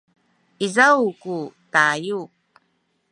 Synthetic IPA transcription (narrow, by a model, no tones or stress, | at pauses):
izawkutaju